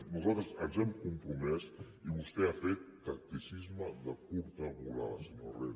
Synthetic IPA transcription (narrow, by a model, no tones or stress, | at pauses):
nuzalˠt̪ɾəzənzɛmkumpɾumɛs | iβust̪ɛafet̪ːək̚t̪isizməðəkuɾt̪əβula̰sinorɛ